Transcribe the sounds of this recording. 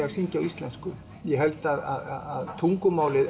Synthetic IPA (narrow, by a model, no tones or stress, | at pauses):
aɣsiɲcawist̪lɛnskʏ | jɛɦɛlt̪aða̰ðaaðt̪ʰuŋkʏmaːwlɪð